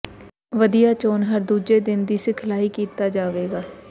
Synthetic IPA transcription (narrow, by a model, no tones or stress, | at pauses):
ʋəd̪ijaːt͡ʃoːnɦəɾd̪uːd͡ʒed̪ɪnd̪iːsekʰɪlaːikiːt̪aːd͡ʒaːʋeːɡaː